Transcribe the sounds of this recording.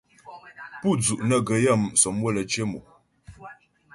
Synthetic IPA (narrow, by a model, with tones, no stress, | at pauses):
pu˦˨d͡zu˨ʔnə˨ɡə˨ja˦˨msɔ˨˦mwə˦˨lə˨t͡ʃe˦mu˨